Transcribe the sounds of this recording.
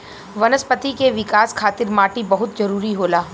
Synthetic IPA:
ʋɐnəspət̪ikeʋɪkaːskʰaːt̪ɪɾmaːʈibɐɦʊt̪d͡ʒɐɾuːɾiɦoːlaː

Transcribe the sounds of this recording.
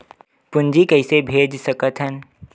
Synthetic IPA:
pʊ̃nd͡ʒikəɪsebʱeːd͡ʒsəkət̪ɦən

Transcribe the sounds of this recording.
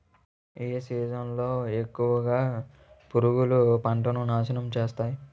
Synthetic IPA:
eːsiːd͡ʒɐnlo̞ːe̞kːuʋɐɡaː | puɾuɡulupɐɳʈɐnunaːʃɐnɐmt͡ʃe̞ːst̪aːji

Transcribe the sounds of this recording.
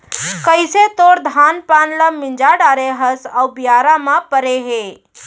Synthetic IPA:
kəjset̪oːɾd̪ʱaːnpaːnləmɪ̃nd͡ʒaɖaːɾeɦəsawbijaːɾamapəɾeɦe

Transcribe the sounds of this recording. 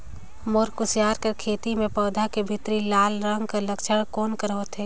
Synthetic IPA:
moːɾkʊsjaːɾkɐɾkʰeːt̪imẽpɔːd̪ʱakebʱɪt̪ɾilaːlɾə̃ŋɡkɐɾlɐkʃəɽkoːnkəɾɦot̪ʰeː

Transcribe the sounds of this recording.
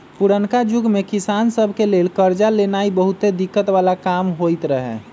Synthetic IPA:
puɾənkad͡ʒuɡmekisansəbʱkelelkəɾd͡ʒalenaibəɦut̪ed̪ikːət̪ʋalakamɦojt̪ɾəɦɛ̰

